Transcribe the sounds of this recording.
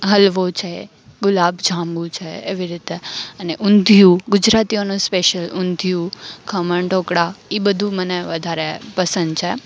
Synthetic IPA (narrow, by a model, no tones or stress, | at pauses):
ɦəlʋot͡ʃʰe | ɡʊlabd͡ʒʱãmbũt͡ʃʰeːʋiɾit̪eəneʔʊnd̪ʱijuɡʊd͡ʒɾat̪ionũspeʃəlʊnd̪ʱijukʰəməɳʈokɽaibəd̪ʱũməneʋəd̪ʱaɾepəsə̃nd̪̚t͡ʃʰe